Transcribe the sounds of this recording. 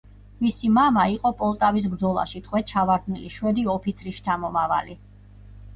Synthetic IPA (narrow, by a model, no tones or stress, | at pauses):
misimamaiqʼɔpʼɔlˠt̪ʼavisbɾd̪zɔlˠa̰ʃit̪ʰχʼwɛt͡ʃʰavaɾd̪ʰniliʃwɛd̪iɔpʰit̪sʰɾiʃt͡ʃʰamɔmava̰li